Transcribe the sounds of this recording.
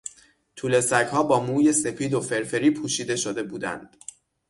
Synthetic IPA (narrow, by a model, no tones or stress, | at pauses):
t̪ʰuːle̞sæchɒːbɒːmuːje̞se̞pʰiːd̪o̞fe̞ɾfe̞ɾiːpʰuːʃiːd̪e̞ʃo̞d̪e̞buːd̪æ̰nd̪̥